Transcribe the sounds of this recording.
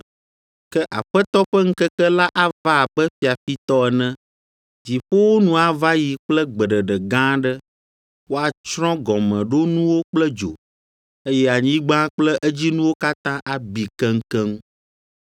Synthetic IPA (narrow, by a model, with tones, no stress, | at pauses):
kɛ˦ʔa̰˨ɸɛ˦t̪ɔ˦ɸɛ˦ŋ̩˦kɛ˦kɛ˦la˦ʔa˦va˦˨bɛ˦fi˨a˨fi˦t̪ɔ˦ɛ˨nɛ̃˦ | d͡ʑi˨ɸo˦wo˦nũ˦a˨va˦ji˨k͡plɛ˦ɡ͡bɛ˨ɖɛ˨ɖɛ˨ɡã˦ɖɛ˦ | wo˦a˨t͡ʃɾɔ̃˦ɡɔ˨mɛ̃˨ɖo˦nũ˦wo˦k͡plɛ˦d͡ʒo̰˨ | e˦jɛ˦a˨ɲĩ˦ɡ͡bã˦k͡plɛ˦ʔɛ˦d͡ʑi˦nũ˦wo˦ka˦t̪ã˦ʔa˨bi˨kɛ̃˦ŋ̩˦kɛ˦ŋ˦